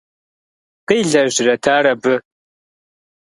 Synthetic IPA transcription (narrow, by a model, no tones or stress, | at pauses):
qɨjɮɐʒɪrɐtʰaːɾɐbɨ